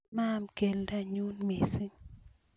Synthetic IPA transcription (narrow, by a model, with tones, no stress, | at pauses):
ma˦mke˨lda˦˨ɲu˦nme˨si˦ŋ